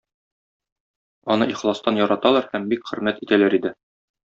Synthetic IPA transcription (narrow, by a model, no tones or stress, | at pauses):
ɒnɤiχlˠɑst̪ɑnjɒɾɑt̪ɑlˠɑɾhæmbikχɘ̆ɾmæt̪it̪ælæɾid̪ɘ